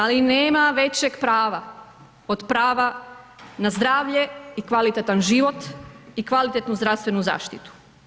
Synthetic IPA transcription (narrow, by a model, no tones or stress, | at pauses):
alineːmaʋe̞t͡ɕeɡpɾaːʋa | od̪pɾaːʋa | nazd̪ɾaːʋʎe̞ikʋalit̪et̪anʒiʋo̞t̪ikʋalit̪et̪nuzd̪ɾaʋst̪ʋe̞nuza̰ːʃt̪it̪u̥